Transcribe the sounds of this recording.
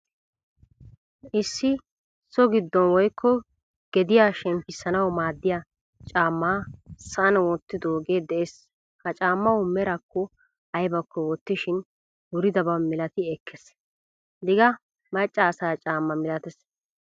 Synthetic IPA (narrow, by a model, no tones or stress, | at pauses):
ʔɪsːɪ | sɔɡɪd̪ːɔnwɔjkʰːɔ | ɡ̥ɛd̪ɪjaːʃɛmpɪsːɐnɐwmaːd̪ːɪja | t͡ʃʼaːmːaːsɐnwɔt̪ːɪd̪oːɡe̞ːd̪ɛʔes | hɐt͡ʃʼaːmːɐwʊmɛɾɐkːɔ | ɐjbɐkːɔwɔt̪ːɪʃɪn | wʊɾɪd̪ɐbɐmɪlɐt̪ɪɛkʰːɛs | d̪ɪɡɐ | mɐt͡ʃʼːɐːsaːt͡ʃʼaːmːɐmɪlɐt̪ɛs